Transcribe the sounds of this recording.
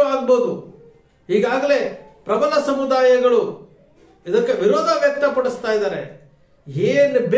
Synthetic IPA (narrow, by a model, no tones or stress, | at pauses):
aːɡbo̞ːd̪u | ɦiːɡaːɡɐle̞pɾɐbɐlɐsɐmud̪aːjɐɡɐɭu | id̪ɐkːeʋiɾɔːd̪ʱɐʋjɛkt̪ːɐpɐɽust̪aːjid̪aːɾe̞ | ɦeːnb